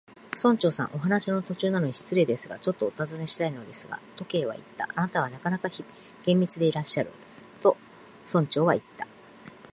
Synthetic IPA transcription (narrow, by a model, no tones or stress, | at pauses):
sõ̞ɲ̟t͡ɕo̞ːsã̰ʔo̞ɦanaɕino̞t̪o̞t͡ɕɨːnano̞ɲ̟iɕi̥t͡sɨɾe̞ːd̪e̞sɨɡa̰t͡ɕo̞t̪ːo̞ːt̪azɨne̞ɕi̥t̪aino̞d̪e̞sɨɡa̰t̪o̞ke̞ːβ̞a̰ḭt̪ːa̰ʔanat̪aβ̞anakanakaçi | ɡ̥ẽ̞mʲbʲit͡sɨd̪e̞iɾaɕːaɾɯ̟̰ | t̪o̞ | sõ̞ɲ̟t͡ɕo̞ːβait̪ːḁ